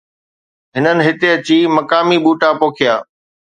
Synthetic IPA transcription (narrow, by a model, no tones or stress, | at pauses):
ɦɪnənɪ̆ɦɪt̪eɐt͡ɕiːmɐkaːmiɓuːʈapoːkʰɪjaː